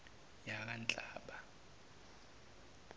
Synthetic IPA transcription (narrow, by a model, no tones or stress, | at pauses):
jakʼant͡ɬʼaːɓa